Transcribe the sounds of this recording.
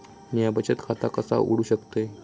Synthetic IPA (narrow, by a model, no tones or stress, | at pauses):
mijabət͡ɕət̪kʰat̪akəsa̰ʔṵɽ̤uːɕəkt̪e